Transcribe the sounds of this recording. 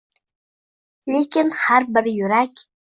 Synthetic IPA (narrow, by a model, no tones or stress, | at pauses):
likʰʲɪnħarbɨrjyɾakʲʼ